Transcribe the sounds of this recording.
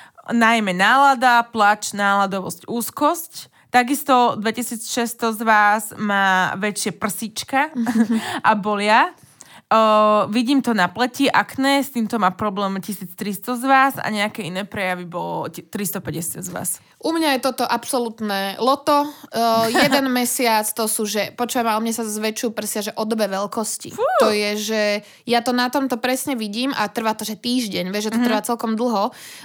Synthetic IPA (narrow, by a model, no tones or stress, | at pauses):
najmɛnaːlad̪aplat͡ʃnaːlad̪ɔʋɔ̰scuːskɔsc | t̪aɡist̪ɔd̪ʋɛcisiːt͡sʃɛst̪ɔzʋaːzmaːʋɛt͡ʃɪapr̩sit͡ʃka | ʔabɔlɪa | ʋiɟiːmt̪ɔnaplɛciʔaknɛst̪iːmt̪ɔmaːpɾɔblɛːmcisiːt͡st̪ɾist̪ɔzʋaːza̰ɲɛakɛinɛːpɾɛjaʋibɔlɔt̪ɾist̪ɔpɛɟɛsɪazʋa̰ːs | ʔumɲajɛt̪ɔt̪ɔʔapsɔlut̪nɛːlɔt̪ɔ | jɛd̪ɛnmɛsɪat͡st̪ɔsuːʒɛpɔt͡ʃuʋamaumɲɛsazʋɛt͡ʃjupr̩sɪaʒɛʔɔd̪ɔbɛʋɛlkɔscḭt̪ɔjɛʒɛ | jat̪ɔnat̪ɔmt̪ɔpɾɛsɲɛʋiɟiːmat̪r̩ʋaːt̪ɔʒɛt̪iːʒɟɛɲʋɛʒɛt̪ɔt̪ɾ̩ʋaːt͡sɛlkɔmd̪l̩ˠɦɔ